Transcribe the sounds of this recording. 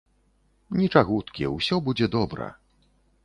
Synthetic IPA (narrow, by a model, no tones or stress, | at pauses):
nʲit͡ʂaɣut̪kʲiwsʲɔbud͡zʲɛd̪ɔbɾɐ̰